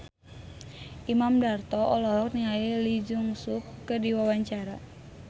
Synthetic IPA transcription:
ʔimamdart̪ɔʔɔlɔɦɔk̚niŋailid͡ʒuŋsukːərdiwawaɲt͡ʃaɾa

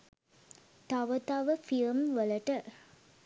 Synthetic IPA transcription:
t̪aʋət̪aʋəfilmʋələʈə

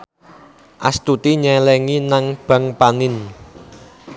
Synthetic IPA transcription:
ʔast̪ut̪iɲɛlɛŋinaŋb̥ä̤ŋpanɪn

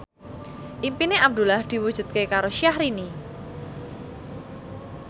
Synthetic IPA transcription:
ʔimpineʔab̚d̪ṳlahd̪̥i̤wud̥ʒ̥ṳd̪̚kekaɾoʃiahɾini

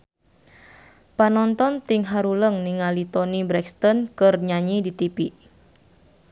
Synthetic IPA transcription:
panɔnt̪ɔnt̪ɪŋɦaɾuləŋniŋalit̪onibɾɛkst̪ɔnkərɲaɲidit̪ipi

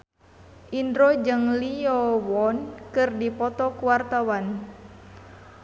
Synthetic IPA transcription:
ʔindɾɔd͡ʒɨŋliɔwɔnkɨrdipɔt̪ɔkuwart̪awan

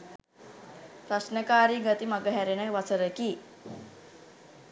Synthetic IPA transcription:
pɾasnəkaːɾiɡət̪imaɡəɦɛɾenəʋat͡səɾəki

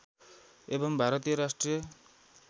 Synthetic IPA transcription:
ebʌmbʱaɾʌt̪ijʌɾasʈrijʌ

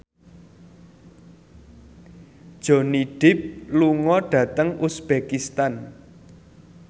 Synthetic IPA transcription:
d̥ʒ̥o̤niɖ̥ɪp̚luŋɔɖ̥ä̤t̪əŋusb̥ekist̪an

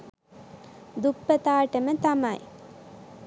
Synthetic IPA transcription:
d̪upːət̪aːʈəmət̪amaj

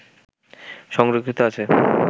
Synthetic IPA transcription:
ʃɔŋɾokʰːit̪oat͡ɕʰe

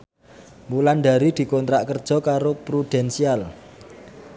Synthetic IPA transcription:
mulanɖ̪a̤ɾid̪̥i̤kɔnt̪ɾaʔkərd̥ʒ̥ɔ̤kaɾopɾud̪̥ɛnsial

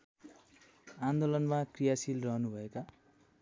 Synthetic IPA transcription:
and̪olʌnmakrijasilrʌɦnubʱʌeka

